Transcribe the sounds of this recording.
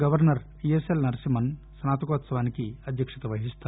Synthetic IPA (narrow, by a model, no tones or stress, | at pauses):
ɡɐʋɐɾnɐɾ | ieselnɐɾsimɐn | snaːt̪ɐkoːt̪sɐʋaːnikiɐd̪ʱjɐkʂɐt̪ɐʋɐɦist̪a